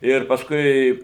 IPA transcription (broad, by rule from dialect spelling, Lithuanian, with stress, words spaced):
ˈɪr pɐsˈkʊɪ